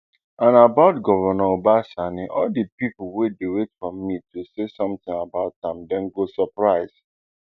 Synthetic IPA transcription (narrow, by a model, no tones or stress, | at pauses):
ʔãnabaʊtɡɔvənaobasaniʔɔldəpipwedewetfɹɔ̃mːitusesɔ̃mtɪ̃ŋabaʊt̚ãmdɛ̃nɡosəpɹaɪz̥